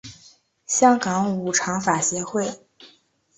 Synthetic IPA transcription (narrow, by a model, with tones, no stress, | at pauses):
ɕjɑ˥ŋkɑ˧˥ŋu˨˩ʈ͡ʂʰɑ˧˥ŋfa˨˩ɕjɛ˧˥xwe˥˩ɪ